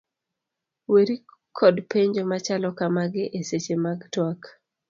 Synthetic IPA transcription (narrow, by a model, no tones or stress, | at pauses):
weɾi | kʰɔdpeɲd͡ʒomat͡ʃalɔkamaɡɪʔeset͡ʃemaɡtwak